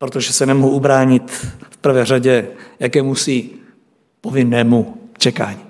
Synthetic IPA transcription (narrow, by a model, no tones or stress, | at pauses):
pɾot̪oʒɛsɛnɛmoɦuʔubɾaːɲɪt̪fpr̩vɛːraɟɛjakɛːmusiː | povɪnːɛːmut͡ʃɛka̰ːɲiː